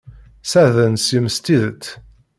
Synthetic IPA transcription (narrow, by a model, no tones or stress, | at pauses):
sæðənsiməst̪iðət̪ː